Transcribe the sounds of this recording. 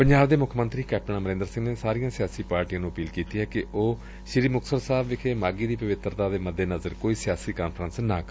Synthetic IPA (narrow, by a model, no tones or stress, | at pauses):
pəɲd͡ʒaːbd̪eːmʊkʰmə̃nt̪ɾiːkɛːp̚ʈəɳaːməɾẽːnd̪əɾsɪ̃ŋɡneːsaːɾijãːsɪjaːsiːpaːɾʈiãːnũːəpiːlkiːt̪iːɦɛːkɪoː | ʃɪɾiːmʊksəɾsaːbʋɪkʰeːmaːɡiːd̪iːpəʋɪt̪ːɾd̪aːd̪eːməd̪ːeːnəzəɾkoːiːsɪjaːsiːkaːnpʰəɾənsnãːk